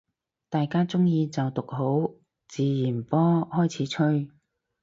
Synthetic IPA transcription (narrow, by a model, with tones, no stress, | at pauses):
t̪aː˨jkaː˥t͡sʊ˥ŋjiː˧t͡sɐ˨wt̪ʊ˨k̚ɦo˨˥w | t͡siː˨jiː˨˩npɔː˥hɔː˥jt͡sʰiː˨˥t͡ʃʰɵ˥ɥ